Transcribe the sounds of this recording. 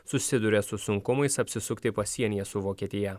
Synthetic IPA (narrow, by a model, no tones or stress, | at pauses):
sʊsʲɪd̪ʊɾʲɛsʊsʊŋkʊmɐɪsɐpʲsʲɪsʊkt̪ʲɪpɐsʲiɛnʲɪjɛsʊʋoːkʲiɛt̪ʲɪjɛ